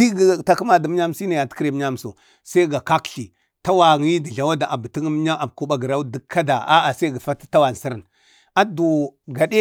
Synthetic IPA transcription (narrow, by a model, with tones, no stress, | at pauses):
di˦ɡta˨kə˦ma˨də˨m˦ɲa˦m˦si˦na˨ja˨tkɾe˨m˦ɲa˦m˨so˨ | sa˦i˦ɡa˨ka˦kɬi˨ | ta˦wa˨ŋi˦di˨ɮa˨wa˦da˨ʔa˨bə˨ti˦ŋ˦m˦ɲa˦ʔa˨bku˦ɓa˨ɡə˨ɾa˦di˨˦kʰːa˦da˨a˦a˨sa˦ɡa˨fa˦tə̥˦ta˦wa˨n˨si˦ɾə˨n | a˦du˨ɡa˨de˦